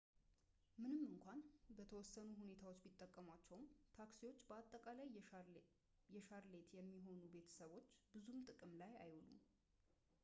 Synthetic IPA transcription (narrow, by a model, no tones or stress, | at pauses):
mɨnɨmːɨŋkʷanbət̪ʰəwɔsːənuɦune̞t̪ʰawot͡ʃːmit̪ʼːəkʼːəmat͡ʃːɛwmt̪ʰaksiwo̞t͡ʃːbəat̪ʼːəkʼalaj | jɛʃaɾle̞t̪ʰjɛmːiɦo̞nube̞t̪ʰə̥səβo̞t͡ʃːbɨzumt̪ʼɨkʼɨmlaja̰jwɔlṵm